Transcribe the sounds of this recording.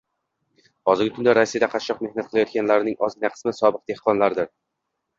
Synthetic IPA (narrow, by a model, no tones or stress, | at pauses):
hɒzɪɾɡʲɪkʰʊnd̪aɾasijad̪aqʰɑt̪ʃːɒq̚me̞hnat̪̚qɨlajɒt̪̚kʲanlaɾɪnɪŋʔɒzɡʲɪnaqʰɨ̥smɪsɒbɨq̚d̪̥e̞hqʰɒnlaɾd̪ɪɾ